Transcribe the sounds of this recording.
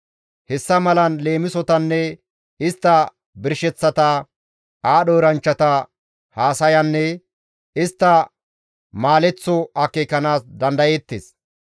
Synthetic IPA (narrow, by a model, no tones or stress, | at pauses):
hɛsːɐmɐlɐnle̞ːmɪsɔt̪ɐnːɛ | ɪst̪ːɐ | bɪɾʃɛt͡sːɐt̪ɐ | aːɗɔɾɐnt͡ʃːɐt̪ɐ | haːsɐjɐnːɛ | ɪst̪ːɐ | maːlɛt͡sːɔɐkːeːkːɐnaːsd̪ɐnd̪ɐjɛt̪ːḛːs